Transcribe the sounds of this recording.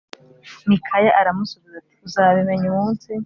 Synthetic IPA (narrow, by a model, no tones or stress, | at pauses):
mikʰajaʔaɾamusuβizati̥uzaːβime̞ɲumuːnsi